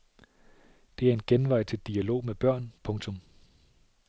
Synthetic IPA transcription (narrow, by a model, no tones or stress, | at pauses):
d̥e̝æɐe̝nɡ̥enʋɑ̈ɪ̰t͡sʰe̝ld̥iælo̝̰ːmeb̥ɶɐ̰npʰɔ̽ŋt͡sʰɔ̽m